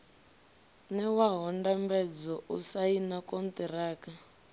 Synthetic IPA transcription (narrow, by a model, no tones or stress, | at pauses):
nɛwaɦɔndambɛd͡zɔʔusainakɔnt̪ɛɾaːka